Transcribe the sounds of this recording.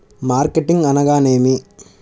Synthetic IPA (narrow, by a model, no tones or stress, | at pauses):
maːɾkeʈːɪŋɡɐnɐɣaːneːmi